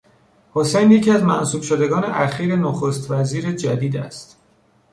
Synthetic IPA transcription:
hosejnjecʰiæzmæ̰ʔsuːb̥ʃod̪e̞ɡɒːnḛʔæxiːɾenoxost̪væziːɾed͡ʒæd̪iːd̪æ̰st̪

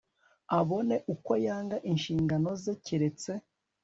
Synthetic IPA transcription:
aβo̞ne̞ʔuko̞jaːŋɡaʔinʃiːŋɡano̞zeciɾe̞t͡se̞

